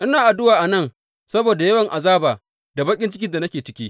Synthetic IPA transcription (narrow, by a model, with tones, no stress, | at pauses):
ʔɪ˦naː˨ʔa˨dʊ˦waː˨ʔa˨nɐ˦˨ŋ | sɐ˦boː˨da˨jɐ˦wɐ˨ŋʔa˨zaː˦baː˨ | da˨bɐ˦kʲʼɪ˦nt͡ʃɪ˦kʲɪ˦nda˨nɐ˦kʲeː˨t͡ʃɪ̥˦kʲiː˦